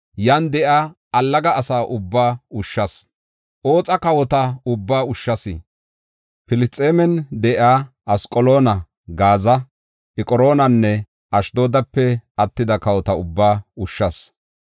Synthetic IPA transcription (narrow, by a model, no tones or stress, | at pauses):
jɐnd̪ɛʔaː | ɐlːɐɡɐːsaːʔʊbːaːʊʃːɐs | ʔo̞ːt͡sʼɐkɐwɔt̪ɐʊbːaːʊʃːɐsɪ | pɪlɪst͡sʼeːmɛnd̪ɛʔaː | ʔɐskʼɔlo̞ːnɐ | ɡaːzɐ | ʔɛkʼɔɾo̞ːnɐnːɛ | ʔɐʃd̪o̞ːd̪ɐpːɛɐt̪ːɪd̪ɐkɐwɔt̪ɐʊbːaːʊʃːɐs